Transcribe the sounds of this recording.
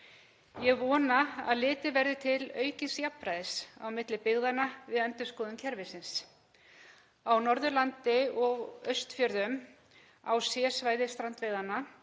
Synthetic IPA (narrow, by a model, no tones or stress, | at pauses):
jɛɣvɔːnaa̰ðlɪːt̪ɪvɛɾðɪt̪ʰɪlœːɥcɪnsjapːɾajðɪsa̰wmɪt̪lɪpɪɣðanavɪðɛnt̪ʏɾ̥skɔːðʏmcʰɛɾvɪsɪns | awnɔɾðʏlant̪ɪɔɣœɥst̪fjœɾðʏm | a̰wsjɛːsvaːjðɪst̪ɾant̪veɣðanːa